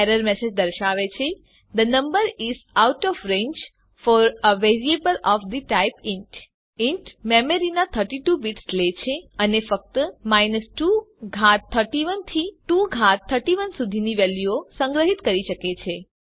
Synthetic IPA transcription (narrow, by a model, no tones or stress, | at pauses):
ɛɾəɾmɛsed͡ʒd̪əɾʃaʋet͡ʃʰe | d̪ənə̃mbəɾizawʈɔfɾẽɲd͡ʒ | fɔɾəʋeɾiebəlɔfd̪iʈajpɪ̃ɳʈ | ɪ̃ɳʈmeməɾinat̪ʰəɾʈiʈubiʈslet͡ʃʰeənefək̚t̪əmajnəsʈu | ɡʱat̪ʰːəɾʈiʋənt̪ʰiʈuɡʱat̪ʰːəɾʈiʋənsud̪ʱiniʋɛljuosə̃ŋɡɾəɦit̪kəɾiʃəket͡ʃʰe